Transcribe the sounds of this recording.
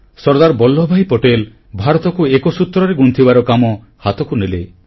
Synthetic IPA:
sɔɾd̪aɾbɔlːɔbʱajpɔʈel | bʱaɾɔt̪ɔkuekɔsut̪ɾɔɾeɡunt̪ʰibaɾɔkamɔ | hat̪ɔkunele

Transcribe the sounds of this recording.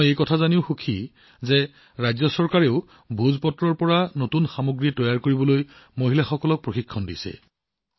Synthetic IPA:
jejkɔtʰazaniʊxukʰi | zɛ | ɹajzɔsɔɹkaɹeʊ | bʱuzpɔtɹɔɹpɔɹanotunxamoɡɹitɔjaɹkoɹibɔlojmoɦilaxɔkɔlɔk̚pɹoxikʰːɔndisɛ̰

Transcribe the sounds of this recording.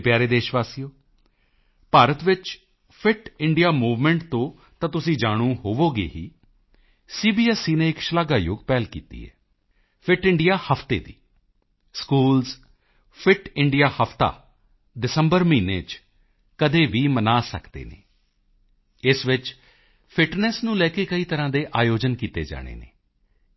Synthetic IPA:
pjaːɾeːd̪eːʃʋaːsijoː | paːɾət̪ʋɪt͡ʃ | pʰɪʈɪɳɖijaːmuːʋmɛ̃ːɳʈt̪õː | t̪ãːt̪ʊsĩːd͡ʒaːɽ̃ũːɦoːʋoːɡḛːɦḭː | siːbiːɛsiːnẽːɪkʃəlaːɡaːjoɡpɛːlkḭːt̪ḭːɛ̰ː | pʰɪʈɪɳɖijaːhəpʰt̪ḛːd̪ḭː | skuːlz | pʰɪʈɪɳɖijaːhəpt̪a̰ː | ɖɪsəmbəɾmiːneːt͡ʃ | kəd̪eːʋiːmənaːsə̰kd̪ḛːnḛː | ɪsʋɪt͡ʃ | pʰɪʈnɛsnũːlɛːkeːkəiːt̪əɾãːd̪eːʔaːjoːd͡ʒənkiːt̪ḛːd͡ʒa̰ːɽ̃ḛːnḛː

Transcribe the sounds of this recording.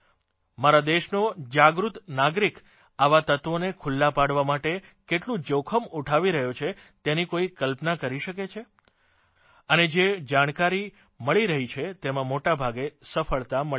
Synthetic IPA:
maɾad̪eʃnod͡ʒaɡɾut̪naɡɾik | aʋat̪ət̪ʋonekʰulːapaɽʋamaʈe | keʈlũd͡ʒəwkʰəmuʈʰaʋiɾəɦjot͡ʃʰet̪enikoikəlpnakəɾiʃəket͡ʃʰe | əned͡ʒed͡ʒaɽ̃kaɾi | məɭiɾəɦit͡ʃʰet̪emãmoʈabʱaɡesəfəɭt̪amə

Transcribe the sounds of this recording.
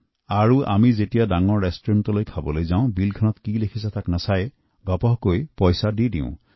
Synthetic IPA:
aɹuʔa̰mizetijadaŋɔɹːestɹimtɔlojkʰabɔlojzaʊ̃bilkʰɔnɔt̪kilekʰisatʰaknasaj | ɡɔpɔɦkojpɔjsadidḭʊ̰̃

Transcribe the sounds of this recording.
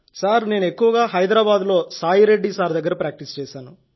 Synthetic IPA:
saːɾne̞ːnuekːuʋɐɡaːɦɐjd̪ɾaːbaːd̪lo̞ːsaːjiɾe̞ɖːisaːɾd̪ɐɡːɐɾɐpɾaːk̚ʈist͡ʃɛːʃaːnu

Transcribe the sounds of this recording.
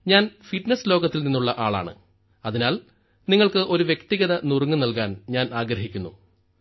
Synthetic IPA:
ɲaːnfiʈneslo̞ːɣɐt̪ːilninːuɭːɐʔaːɭa̰ːɳɨ̰ | ɐðinaːl | niŋːɐɭkɨʔo̞ɾuʋje̞kt̪iɣɐðɐnurŋːɨnɐlkaːnɲaːnaːɡɾɐɦikʲːunːu

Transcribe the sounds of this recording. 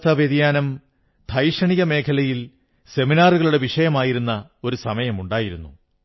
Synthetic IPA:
t̪ʰɐʋed̪jaːnɐm | d̪ʱɐjʂɐɳiɣɐme̞ːkʰɐlɐjil | se̞minaːruɣɐɭuɽe̞ʋiʂɐjɐmaːjiɾunːɐo̞ɾusɐmɐjɐmuɳɖaːjiɾunːṵ

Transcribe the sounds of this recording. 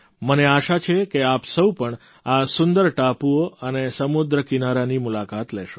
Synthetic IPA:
məneaʃat͡ʃʰekeapsəwpəɳ | asʊnd̪əɾʈapuoənesəmud̪ɾəkinaɾanimulakat̪lɛʃo

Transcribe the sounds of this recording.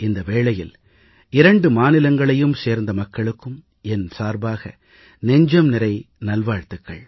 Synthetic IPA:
ɪnd̪ɐʋeːɭɐjɪl | ɪɾɐɳɖɯmaːnɪlɐŋɡɐɭɐjɯmseːɾnd̪ɐmɐkːɐɭɯkːɯm | ɛnsaːɾbaːɣɐ | nɛɲd͡ʒɐmnɪɾɐɪ | nɐlʋaːɻt̪ɯkːɐ̰ɭ

